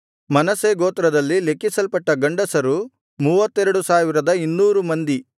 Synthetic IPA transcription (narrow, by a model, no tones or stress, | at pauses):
mɐnɐseːɡoːt̪ɾɐd̪ɐlːile̞kːisɐlpɐʈːɐɡɐɳɖɐsɐɾu | muːʋɐt̪ːɛɾɐɽusaːʋiɾɐd̪ɐinːuːɾumɐnd̪i